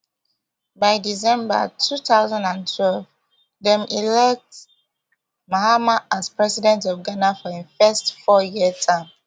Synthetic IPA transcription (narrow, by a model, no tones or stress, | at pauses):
baɪdisɛ̃mba̰tʰuθaʊzãndãntʰwɛlv | dɛ̃mʔilɛk̚t | mahamaaspɹɛsidɛ̃ntɔvɡanafɔĩnfɛstfɔjiətʰãɪm